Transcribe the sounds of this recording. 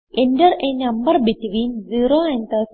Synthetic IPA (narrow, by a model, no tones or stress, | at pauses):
ʔendɐɾenɐ̃mbɐɾbitʋiːnziːɾoːɐ̃nt̪ʰə